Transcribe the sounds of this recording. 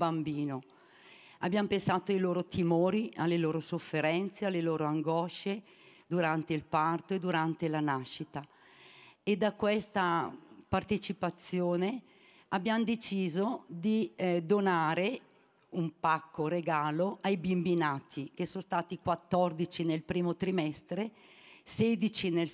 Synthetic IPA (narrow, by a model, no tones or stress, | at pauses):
bambiːno | a̰bːjampensaːt̪oajloːɾot̪ʰimoːɾialːeloːɾosofːeɾɛnt̪sealːeloːɾoaŋɡɔʃe | d̪uɾant̪eilpart̪oed̪uɾant̪elanaʃːit̪a | ed̪ːakwest̪apart̪et͡ʃipat̪sːjoːne | abːjamd̪et͡ʃiːzod̪id̪onaːɾe | umpakːoɾeɡaːloʔajbimbinaːt̪ʰikesonst̪aːt̪ikwat̪ːɔrd̪it͡ʃinelpɾiːmot̪ɾimɛst̪ɾe | sed̪it͡ʃinel